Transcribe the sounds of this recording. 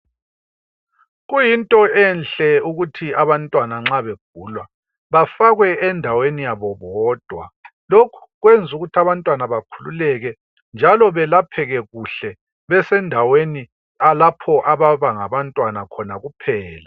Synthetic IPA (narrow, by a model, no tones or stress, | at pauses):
ɣujintʼɔɛnɬɛuɣutʰiaβantʼwanaŋ͡ǁaβeɡ̥̚ʱuːlwa | βafaɣwɛɛndʱawenijaβɔβɔːd̥ʱwa̰lokʰu̥ɣwend͡zʱuɣutʰiaβantʼwanaβakʰulṵlɛɣɛ | nd͡ʒʱalɔβɛlapʰɛɣɛɣuɬɛ | βɛsɛndʱaweni | alapʰɔʔaβaβaŋaβantʼwanakʰɔnaɣupʰɛːla